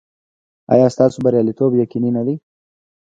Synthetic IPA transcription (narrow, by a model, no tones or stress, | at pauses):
ɑ̰jɑst̪ɑsobaɾjɑlit̪objakininad̪i